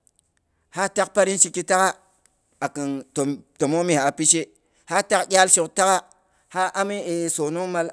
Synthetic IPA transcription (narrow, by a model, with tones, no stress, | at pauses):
ha˦ta˦k̚pa˦ɾi˦nʃi˦ki˦ta˦ka˦ | a˨kɨ˨nto˨to˨mo˦mi˨ha˨pi˦ʃe˦ | ha˦ta˦kɡʲa˦lʃi˨kta˦ka˦ | ha˦ʔa˦mi˦e˨so˨no˦ŋma˦l